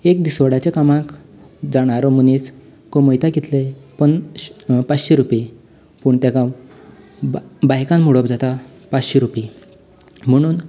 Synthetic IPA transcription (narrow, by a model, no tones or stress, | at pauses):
ek̚d̪isʋəɽat͡ɕekamãk | d͡zaɽ̃aɾɔmunit͡s | koməjt̪akit̪lepəɳ | pat͡sɕeɾupe | puːɳt̪akã | bajkãnmuɽɔpd͡zat̪a | pat͡sɕeɾupi | m̤əɽ̃uːn